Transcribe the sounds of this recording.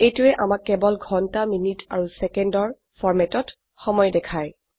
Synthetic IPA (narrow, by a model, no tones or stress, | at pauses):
ejtʊɛʔamakːɛbɔlɡʱɔntaminitaɹusɛkɛndɔɹ | pʰɔɹmɛtɔt | xɔmɔjdɛkʰaj